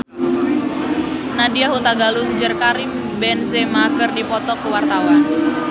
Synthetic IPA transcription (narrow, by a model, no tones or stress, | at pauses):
nadiaɦut̪aɡaluŋd͡ʒərkaɾɪm | bɛnsemakərdipɔt̪ɔkəwart̪awan